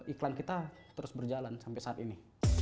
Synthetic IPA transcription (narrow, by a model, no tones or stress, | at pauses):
iklankit̪at̪əɾʊsbərd͡ʒalansampɛsaːt̪ini